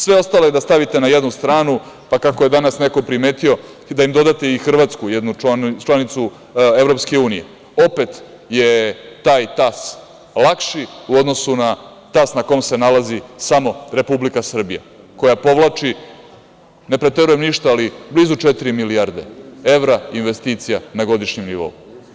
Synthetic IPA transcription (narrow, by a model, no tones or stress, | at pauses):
sʋe̞o̞st̪alo̞jed̪ast̪aʋit̪e̞najed̪nust̪ɾaːnu | pakako̞jed̪anasne̞kopɾime̞ːt̪io̞ | d̪aimd̪o̞d̪at̪eixr̩ʋaːt̪skujed̪nut͡ʃlanit̪su | evɾo̞pske̞uːnije̞̰ | o̞pe̞t̪ | je̞t̪aːjt̪as | lˠakʃiuod̪no̞suna | t̪asnako̞mse̞nalazisamo̞ɾe̞publikasr̩bija̰ | ko̞japo̞ʋlˠat͡ʂi | ne̞pɾe̞t̪eɾuje̞mniʃt̪aaliblizut͡ʃet̪iɾimilijaɾd̪e̞e̞ʋɾainʋe̞st̪it̪sijanaɡo̞d̪iʃɲemniʋo̞̰u